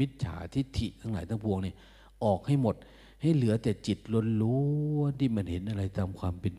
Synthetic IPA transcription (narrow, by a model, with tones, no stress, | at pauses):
i˦˥t̪̚t͡ɕʰa̰ː˩˦t̪ʰi˦˥˩t̪ʰi˨˩t̪ʰa˧˥˩ŋlaː˩˦jt̪ʰa˥ŋpʰu˧əŋniː˧˩ɐ | ʔɔː˨˩k̚ha˥˩jmo˨˩t̪̚ | ha˥˩jlɯ˩˦ɐt̪ɛː˨˩t͡ɕi˨˩t̪̚lo˧nlu˦nt̪ʰiː˥˩ma˧nhe˨˦nʔa˧ɾa˧jt̪aː˧mkʰwaː˧mpe˧n